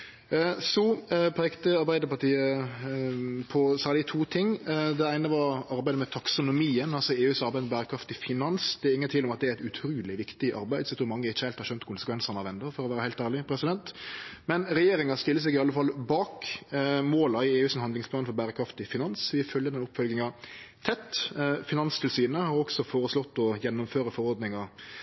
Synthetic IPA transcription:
supʰeːkt̪əɑɾbæɪd̪əpɑʈ̪iːə | pʰɔsæːɾlɪət̪ʰuːt̪ʰɪŋd̪ɛæɪnəʋɑɾɑɾbæɪd̪əmɛt̪ʰɑksʊnʊmiːənɑlsɔeːʉːsɑɾbæɪd̪mbæːɾəkʰɾɑft̪ɪfɪnɑnsd̪ɛɾɪŋːənt̪ʰɪlːɔmɑt̪̚d̪ɛæɾɛɪt̪ʉt̪ʰɾuːlɪʋɪkt̪ɪʔɑ̰ɾbæɪd̪sɔt̪ʰuːmɑŋːəɪçəhæɪlt̪hɑɾɕœnt̪kʰʊnsəkʋɛnsənɑʋɛnd̪əɾfɔɾɔʋæːɾəhæɪlt̪æːɾɭɪpʰɾɛsɪd̪ɛnt̪mɛnɾɛjeːɾɪŋɑst̪ɪlːəs̬ɛɡɪɑlːəfɑlbɑːk | moːlɑɪeːʉːsɔnhɑnd̪lɪŋspʰlɑːnfɔɾbæːɾəkʰɾɑft̪ɪfɪnɑnsʋɪfœljəd̪ɛnʊpːfœlɡɪŋɑt̪ʰɛt̪ːfɪnɑnst̪ʰɪlsyːnəhɑɾɔksɔfoːɾəslɔt̪ːɔjɛnːʊmføːɾəfɔɾɔɾd̪nɪŋɑ

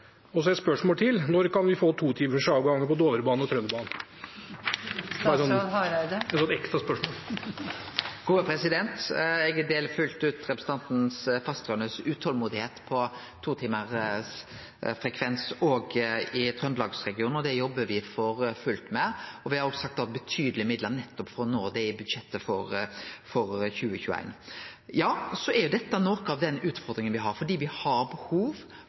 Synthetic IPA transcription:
ɔsɔæspœʂmɔːlt̪ʰɪlnɔɾkɑnʋɪfoːt̪ʰuːt̪ʰiːməɾʂɑːɡɡɑŋːəpɔd̪oːʋəɾəbɑːnɔt̪ʰɾœnd̪bɑːnn̩ | sɔɑɾœd̪əɛt̪sɔnɛkt̪ɑspœʂmoːl | ɡ̥uːəpʰɾɛsɪd̪ɛnt̪ɛɡəd̪eːlfʉlt̪ʉːt̪ɾɛpɾɛsət̪ɑnt̪n̩sfɑst̪ɾœnəsʉːt̪hɔlmuːd̪ɪheːt̪pʰɔ | t̪ʰuːt̪ʰiːməʁs | fɾɛkʰʋɛnsɔɡɪt̪ʰɾœnd̪lɑːɡsɾɛɡɪuːnɔd̪ɛjɔbːəɾʋɪfɔɾfʉlt̪mɛɔʋɪhɑɾɔːɡsɑk̚t̪ɑt̪̚bət̪ʰyːd̪əlɪmɪd̪lənɛt̪ːɔpfɾɔnoːd̪ɛɪbʉd̪ʂɛt̪ːəfɔɾfɔɾçʉːəçʉːæ̰ɪnjɑːsɔæɾjʊd̪ɛt̪ːɑnoːkɑʋd̪ɛnʉːt̪fɔɾd̪ɾɪŋənʋɪɦɑɾfɔɖiːʋɪhɑɾbəhuːʋ

